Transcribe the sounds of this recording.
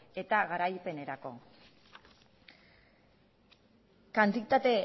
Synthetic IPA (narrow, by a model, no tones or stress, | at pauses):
e̞t̪aɣaɾajpe̞ne̞ɾako̞̰ | kant̪it̪at̪e̞